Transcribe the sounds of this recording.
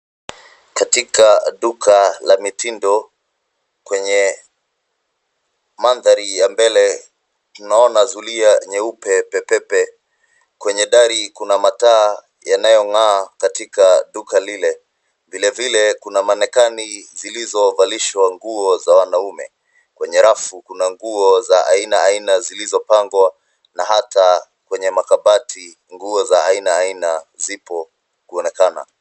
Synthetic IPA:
katikaɗukʰalamitindɔ | kwɛɲɛ | manðaɾijambɛlɛ | tunaɔnazuliaɲɛupɛpɛpɛpɛ | kwɛɲɛɗaɾikunamataː | janajɔŋaːkatikaɗukalilɛ | vilɛvilɛkunamanɛkanizilizɔvaliʃwaŋɡuɔzawanaumɛ̰ | kwɛɲɛɾafukunaŋɡuɔzaʔainaːinazilizɔpaŋɡwa | naɦata | kwɛɲɛmakaɓatʰi | ŋɡuɔzaːinaːinazipɔ | kuɔnɛkana̰

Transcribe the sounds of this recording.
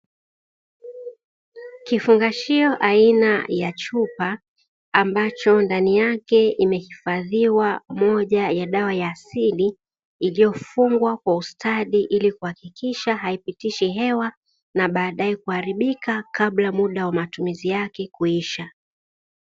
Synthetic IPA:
kifuŋɡaʃiɔʔainajat͡ʃupa | ambat͡ʃɔndanijakɛimɛhifaðiwamɔʄajaɗawajaːsiliː | lijɔfuŋɡwakwaustʰaðiʔilikuhakikiʃaɦaipitiʃiɦɛwa | naɓaːɗaɛkuhaɾiɓikakaɓlamuɗawamatumizijakɛkuiʃa

